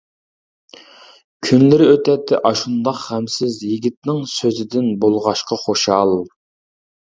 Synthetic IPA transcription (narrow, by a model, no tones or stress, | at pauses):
kʲʰynlɪɾɪøt̪ʰɛt̪ʰːɪʔɑʃund̪ɑqhɛmsɪzjiɡʲit̪̚nɪŋsøzɪd̪ɪnbolˠʁɑʃqɑχoʃɑlˠ